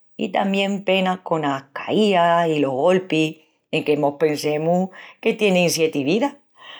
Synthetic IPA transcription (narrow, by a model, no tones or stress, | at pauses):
ḭt̪ambjẽ̞mpe̞nahko̞nakaiasilo̞ɦɣo̞lpi | e̞ŋkemo̞hpe̞nsẽ̞muke̞t̪je̞neinsje̞t̪iβiða